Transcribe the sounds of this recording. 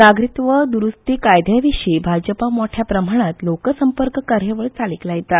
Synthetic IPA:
naɡɾit̪ʋəd̪uɾust̪ikajd̪ʱjãʋiɕibʱad͡ʑəpamoʈʰjapɾəm̤aɽ̃at̪lokəsəmpəɾkəkaɾjəʋəɭt͡saliklajt̪a

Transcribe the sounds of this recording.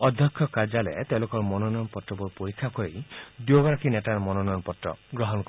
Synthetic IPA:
ɔd̪ʱjɔkʰːjɔkad͡ʒalḛt̪elokɔɾmɔnɔnɔjɔnpɔtɾɔbɔɾpoɾikʰːakɔɾejd̪joɡɔɾakʰinetaɾmɔnɔnɔjɔnpɔtɾɔ̰ɡɾɔɦɔnk

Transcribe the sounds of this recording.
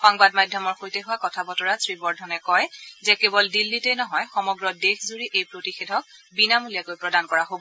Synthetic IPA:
xɔŋbadmajdʱjɔmɔɹxojtɛɦuwakɔtʰabɔtɔɹasɹibɔɹdʱɔnɛkɔjzɛkebɔldilːitɛjnɔɦɔjxɔmɔɡɹɔdexzuɹiʔejpɹotixedʱɔk̚binamulijakojpɹɔdankɔɹaɦobɔ

